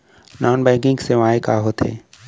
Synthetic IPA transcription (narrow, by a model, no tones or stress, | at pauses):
nɔːnbɛ̃ːkɪ̃ŋɡseʋaːekaɦot̪ḛː